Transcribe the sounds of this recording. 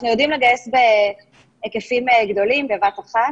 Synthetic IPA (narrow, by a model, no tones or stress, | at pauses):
χnujod̪imleɡajesbe | ekefimeɡd̪o̞limbevataχa